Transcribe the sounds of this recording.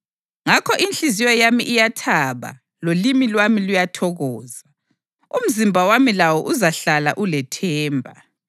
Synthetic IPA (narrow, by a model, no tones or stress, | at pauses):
ŋakʰɔʔinɬizijɔjamiʔijatʰaβa̰ | lolimilwamilujatʰɔɣɔːza | um̩zimbʱawamilawɔʔuzaɬala̰ʔulɛtʰɛːmbʱa